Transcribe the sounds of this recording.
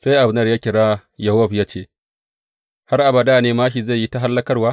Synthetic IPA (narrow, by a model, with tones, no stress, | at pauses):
sa˦jʔa˨bnɐ˦˨jaː˦kʲɪ˨ɽaː˦jɐ˨ɐ˦ɸjaː˦t͡ʃeː˦˨ | ha˦rʔa˨ba˨daː˦˨neː˦maː˦ʃi˨ze˦˨ji˦ta˦ɦa˦lːɐ˦kɐ˦rwaː˦